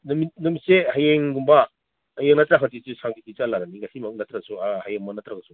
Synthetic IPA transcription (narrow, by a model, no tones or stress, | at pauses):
nminɐmisehajeŋɡumba | hajeŋnatɾaɦatisusaŋditit͡ʃalaɾaniɡasimak̚natɾaɡsuahajeŋmɔnatɾaɡɐsu